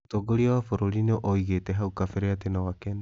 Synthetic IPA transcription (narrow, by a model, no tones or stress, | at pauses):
toɡoɾiawafoɾoɾinoʔojɣeteɦauwkafeɾeatenawaken